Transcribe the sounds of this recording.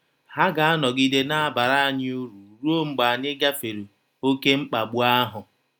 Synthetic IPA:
ha˦ɡa˨a˦nɔ˨ɡi˦de˦na˦a˦ba˨ɾa˦a˦ɲɪ˦u˦ɾu˨ɾu˦o˦ŋ͡m̩˦ɡ͡ba˨a˨ɲɪ˦ɡa˦fe˨ɾu˨ | o˦ke˦ŋ͡m̩˦k͡pa˨ɡ͡bu˦a˦ɦʊ˨

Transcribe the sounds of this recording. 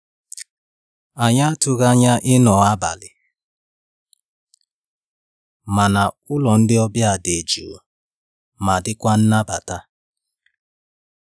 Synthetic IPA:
a˨ɲa˦a˦tʊ˦ɣa˦ɲa˦ʔɪ˦nɔ˨a˦ba̰˨lɪ˨ | ma˨na˨ | ʊ˦lɔ˨n̩˦dɪ˦ɔ˦bja˨de˨d͡ʒu˨ | ma˨dɪ˦kʷa˦n̩˦na˦ba˨ta˦

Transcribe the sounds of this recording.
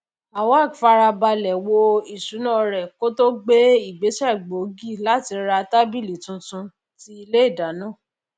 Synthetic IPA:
a˨wa˦˨fa˧ɾa˧ba˧lɛ˨wo˧i˨ʃu˨˦nã˦˨ɾɛ˨ko˦to˦ɡ͡be˦i˦˨ɡ͡be˨˦ʃɛ˦˨ɡ͡bo˨˦ɡi˦˨la˦ti˧ɾa˧ta˦bi˦˨li˨tũ˧tũ˧ | ti˦i˧le˦i˦˨da˨˦nãː˦˨

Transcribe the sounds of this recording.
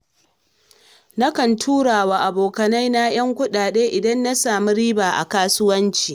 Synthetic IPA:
na˦kɐ˨ntʰuː˦ɽaː˨waː˨ʔa˨boː˨kɐ˨na˦jna˦j̰ɐ˦ŋkʷʊ˦ɗaː˨ɗeː˦ʔɪ˨dɐ˦nːa˦saː˨mi˦ɾiː˦baː˨ʔa̰˨kaː˦sʊ˦wɐ˦nt͡ʃiː˨

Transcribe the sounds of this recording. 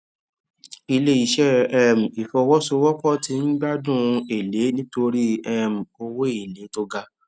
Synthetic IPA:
i˧le˦i˦˨ʃɛ˦ɛ˦m̩̃˨i˨fɔ˧wɔ˦so˧wɔ˦kɔ˦˨ti˨˦n̩˦ɡ͡ba˦dũ˦˨e˨le˨˦nĩ˦to˧ɾi˦ɛ˦m̩̃˨o˧wo˦i˦˨le˨˦to˧ɡa˧

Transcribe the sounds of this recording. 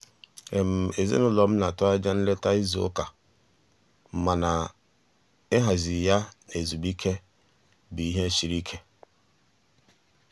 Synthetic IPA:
e˨m̩˨e˨zḛ˦nʊ˦lɔ˨m̩˦na˨tʊ˦a˦d͡ʒa˦n̩˦le˦ta˦i˦zo̰˨o̰˦ka˨ | m̩˨ma˨na˨ | ɪ˦ɦa˨zɪ˨ja˦e˨zu˨bi˦kʰe˦ | bi˨i˦ɦe˦ʃi˨ɾi˦kʰe˦

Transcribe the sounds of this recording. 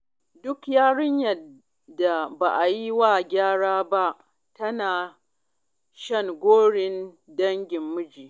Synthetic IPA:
dʊ˦kjaː˦ɽɪ˦ɲjɐ˨ | da˨ba˨ʔa˨ji˦waː˦˨ɡʲaː˦ɽaː˦ba˦ʔ | tɐ˦naː˨ | ʃɐ˦˨ŋɡʷoː˦ɽɪ˦n | dɐ˦ŋɡʲɪ˨mːʊ˦d͡ʒiː˨

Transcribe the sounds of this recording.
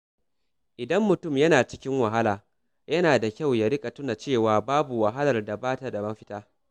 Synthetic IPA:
ʔɪ˨dɐ˦mːʊ˨tʊ˦˨mjɐ˦naː˨t͡ʃɪ˦kʲɪ˦ŋwɐ˨ɦa˦laː˨ | jɐ˦naː˨da˨kʲa˦˨wja˦ɾɪ˦kʼa˨tʊ˦na˨t͡ʃeː˦˨waː˨baː˦bu˨wa˨ɦa˦lɐ˨rda˨baː˦ta˨da˨mɐ˦ɸɪ˦taː˦

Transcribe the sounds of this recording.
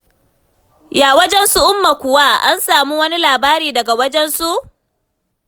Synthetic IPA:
jaː˨wɐ˦d͡ʒɛ˦nsu˦ʔʊ˦mːa˨kʷʊ˨wa˦ʔa˦nsaː˨mu˦wɐ˦ni˦laː˨baː˦ɾiː˨dɐ˨ɡa˨wɐ˦d͡ʒɛ˦nsu˦ʔ

